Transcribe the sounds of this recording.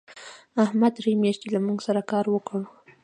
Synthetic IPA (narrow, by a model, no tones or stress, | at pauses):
ahmad̪ɾimjɑʃt̪ilamuɡsaɾakɑɾwəkɽu